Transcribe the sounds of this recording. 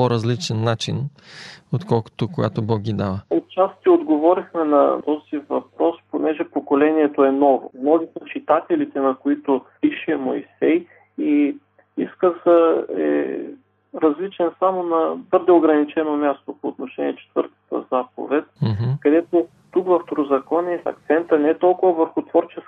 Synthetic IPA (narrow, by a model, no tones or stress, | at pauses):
poɾɐzlit͡ʃɛnːat͡ʃin | ot̪kɔlˠko̥t̪okojɡat̪obɔk̚ɡʲid̪avəot̪̚t͡ʃast̪iod̪ɡovɔɾixmɛnɐ̰t̪ɔz̥ivɐ̰pɾɔsponɛʒɛpokolɛniɛt̪oɛnɔvo̰mnɔzik̪ɐt͡ʃit̪at̪ɛlit̪ɛnɐkoit̪opiʃɛmoisɛj | i | iskəzəɛ̰ | ɾɐzlit͡ʃɛnsamonɐbɤɾd̪ɛoɡɾɐnit͡ʃɛnomʲjast̪opoːt̪noʃɛnʲiɛt͡ʃɛ̥t̪vɤ̰ɾt̪ə̥t̪ə̰zap̚o̰vɛt̪kɐd̪ɛt̪o | t̪ukvɐft̪oɾozɐkɔnɛɐ̰k̚t̪sɛnt̪ənɛɛt̪ɔlˠkʊvəvəɾxʊt̪vɔɾt͡ʃɛs